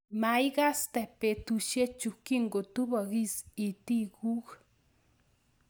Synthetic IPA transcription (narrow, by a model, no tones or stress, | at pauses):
majɡast̪epet̪uʃjet͡ʃukiŋɡot̪ubaɣisit̪iɡux